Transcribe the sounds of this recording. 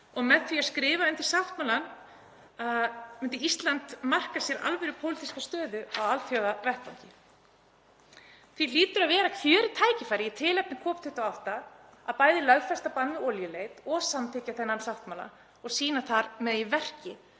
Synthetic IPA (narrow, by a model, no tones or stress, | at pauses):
ɔɣmɛðθviaskɾɪːvaɛnt̪ɪ̥saft̪maːlan | amʏnt̪ɪist̪lant̪mar̥kasjɛɾa̰lvɛɾʏpʰowlɪt̪iskast̪œːðʏawalt̪jœɣavɛrhpaɲc̪ɪ | θviliːt̪ʏɾaðvɛːɾakʰvjœːɾɪt̪ʰaːjcɪfajɾɪit̪ʰɪːlɛp̚nɪkʰɔːpt̪ʏht̪aawht̪a | aðpaːjðɪlœɥɣfɛst̪apanvɪɔljʏleːjt̪ɔɣsamt̪ʰɪːcaθɛnːansaft̪maːla̰ | ɔɣsiːnaθaɾmɛðivɛr̥cɪ